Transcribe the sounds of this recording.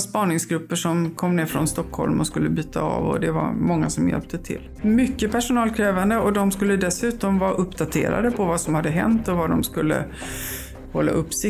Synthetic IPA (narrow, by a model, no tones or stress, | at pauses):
spɑːnɪŋsɡɾɵpːəʂɔmkʰɔmːneːɾfɾɔnst̪ɔkʰhɔ̰lmɔskɵlːəbyːt̪ʰaɑ̰ːvɔ̰d̪ɛva̰ɾmɔŋːasɔmjɛ̰lp̚t̪ət̪ʰɪ̰lː | mʏkːəpʰæʂʊnɑːlkʰɾɛːvand̪əɔd̪ɔmskɵlːəd̪ɛsʉ̟ːt̪ɔmvɑːʔɵpːd̪at̪ʰḛːɾa̰d̪əpʰɔvasɔmhad̪ːəɦɛ̰nt̪ɔvad̪ɔmskɵlːə̰ | hɔlːa̰ʔɵpːsɪ